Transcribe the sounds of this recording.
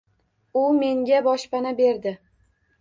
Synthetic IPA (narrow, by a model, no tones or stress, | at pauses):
ʊme̞ŋɡʲabɒʃpanabe̞ɾd̪ɪ